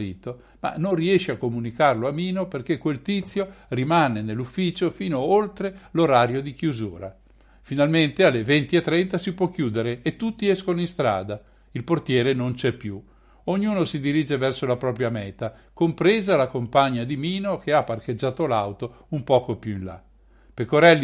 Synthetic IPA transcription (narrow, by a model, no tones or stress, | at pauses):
ɾḭːt̪o | ma̰nːonriɛʃeakːomunikarloamiːnoperkekːwelt̪it̪sːjorimanenelːufːiːt͡ʃofiːnoolt̪ɾeloɾaːɾjod̪ikjuzṵːɾa̰ | finalment̪ealːevent̪iet̪ːɾɛnt̪asipwɔkːjuːd̪eɾeːt̪ːut̪ːiɛskonoĩst̪ɾa̰ːd̪a | ilport̪jɛːɾenont͡ʃɛpːju | oɲːuːnosid̪iɾiːd͡ʒevɛrsolapɾɔːpɾjamɛːt̪a | kompɾeːzalakompaɲːad̪imiːnokʰeapːarked͡ʒːaːt̪olawt̪o | umpɔːkopjuinla̰ | pekoɾɛlː